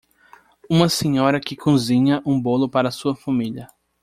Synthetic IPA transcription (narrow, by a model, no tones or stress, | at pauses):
ũmɐsẽɲɔɾɐkɪkʰõzĩɲɐʔũbolʊpaɾɐːsuɐfamiʎɐ